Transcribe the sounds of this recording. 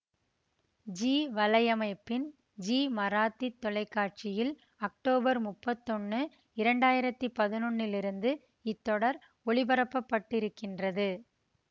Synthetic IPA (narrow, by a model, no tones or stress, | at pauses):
d͡ʒiːʋɐlɐjɐmɐɪpːɪn | d͡ʒiːmɐɾaːt̪ːit̪ːɔlɐɪkːaːʈ̚t͡ʃɪjɪl | ɐk̚ʈoːbɐɾmʊpːɐt̪ːɔnːɯ | ɪɾɐɳɖaːjɪɾɐt̪ːɯpɐðɪnɔɳːɪlɪɾɯnd̪ɯ | ɪt̪ːɔɽɐɾ | ɔɭɪbɐɾɐpːɐpːɐʈːɪɾɯkːɪndrɐðɯ